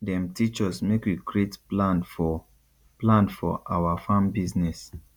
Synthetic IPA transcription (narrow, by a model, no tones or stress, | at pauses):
dɛ̃mtit͡ʃɔsmekwiɡɹetplãnfɔ | plãnfɔ̰ʔa̰wafãmbiznɛs